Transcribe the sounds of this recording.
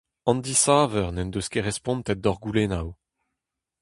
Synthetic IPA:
ɑ̃nd̪isaːvœʁnɛnd̪øskeʁɛspɔ̃nt̪ɛt̪̚d̪ɔʁɡulenaw

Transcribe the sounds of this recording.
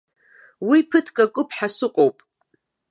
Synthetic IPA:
wipʰɨtʰkʼakʷʼʊpʰħasɨqʼowpʼ

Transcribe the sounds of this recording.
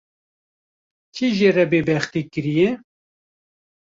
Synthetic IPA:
t͡ʃʰiʒerɛbeːbɛxt̪iːkɨɾijɛ

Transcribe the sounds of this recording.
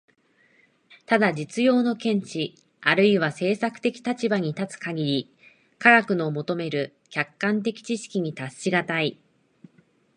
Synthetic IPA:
t̪ad̪ad͡ʑit͡sɨjo̞ːno̞kẽ̞ɲ̟t͡ɕi | aɾɯ̟iβase̞ːsakɯ̥t̪e̞kʲi̥t̪at͡ɕibaɲ̟it̪at͡sɨ̥kaɡʲiɾʲi | kaɡakɯ̟no̞mo̞t̪o̞me̞ɾɯ̟ | kʲakːãnt̪̬e̞kʲi̥t͡ɕiɕi̥kʲiɲ̟it̪aɕːiɡat̪ai

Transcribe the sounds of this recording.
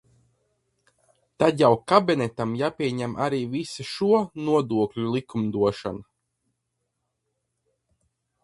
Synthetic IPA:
t̪ad̪jawkabinɛt̪amjaːpʲiɛɲæmʔaɾiːvisuʃuɔnuɔd̪uɔkʎʲulˠikumd̪uɔʃa̰na

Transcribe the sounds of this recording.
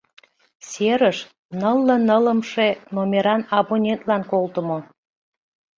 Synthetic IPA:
seɾəʃ | nəlːənələmʃenomʲeɾɑnɑβonʲent̪lɑnkolt̪əmo

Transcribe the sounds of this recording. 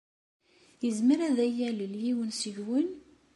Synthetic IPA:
jəzməɾæðæjæləljiwənsəʝwən

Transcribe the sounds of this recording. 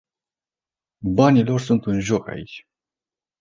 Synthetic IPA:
banilo̞rsunt̪ɨnʒo̞ka̰it͡ʃʲ

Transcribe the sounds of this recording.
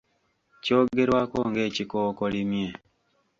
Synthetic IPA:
t͡ʃoɡeɾwakoŋɡet͡ʃikoːkolimje

